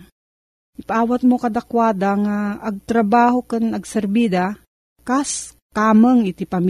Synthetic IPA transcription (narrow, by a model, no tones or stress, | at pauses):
ʔɪpaʔaːwat̪̚mokɐd̪akwaːd̪aŋaːɡ̚t̪ɾabaːhokɨnɐɡsɛɾbid̪a | kas | kaməŋɪt̪ɪpam